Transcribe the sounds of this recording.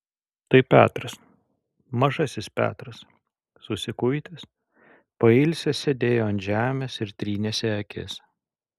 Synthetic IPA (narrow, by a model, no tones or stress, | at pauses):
t̪ɐɪpʲæːt̪ɾɐs | mɐʒɐsʲɪspʲæ̰ːt̪ɾɐs | sʊsʲɪkʊjt̪ʲɪs | pɐɪlʲsʲɛsʲɛd̪ʲeːjoːɐnt̪ʲʒʲæːmʲɛsɪɾt̪ʲɾʲiːnʲɛsʲɛɐkʲʰɪ̰s